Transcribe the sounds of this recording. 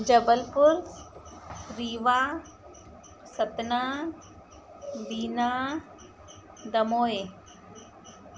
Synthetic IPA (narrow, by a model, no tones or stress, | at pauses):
d͡ʑɐbəlpʊɾ | ɾiːʋaː | sɐt̪naː | biːnaː | d̪ɐmoːeː